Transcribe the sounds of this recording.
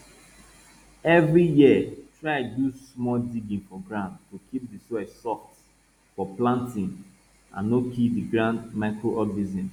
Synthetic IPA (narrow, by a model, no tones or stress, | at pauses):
ɛvɹijiətɹadusmɔldiɡĩnfɔɡɹãndtukʰip̚disɔɛsɔk | fɔplãntĩn | ã̰nːokipdiɡɾãndmaɪkɹoʔɔddizĩn